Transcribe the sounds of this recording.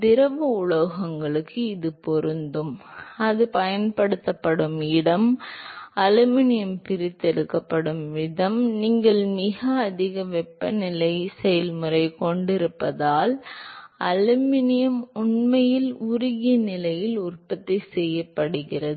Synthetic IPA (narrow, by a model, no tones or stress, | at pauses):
d̪ɪɾɐʋɐʊɻɐɣɐŋɡɐɭɯkːɯɪðɯpɔɾɯnd̪ɯmɐðɯpɐjɐnpɐɽɯt̪ːɐpːɐɽɯmɪɽɐm | ɐlɯmɪnɪjɐmpɪɾɪt̪ːɛɽɯkːɐpːɐɽɯmʋɪðɐmniːŋɡɐɭmɪɣɐːðɪɣɐʋɛpːɐnɪlɐɪsɛjɐlmɯrɐɪkɔɳɖɪɾɯpːɐðaːl | ɐlɯmɪnɪjɐmʊɳmɐjɪlʊɾʊɣɪjɐnɪlɐjɪlʊrpɐt̪ːɐɪsɛjːɐpːɐɽɯɣɪrɐðɯ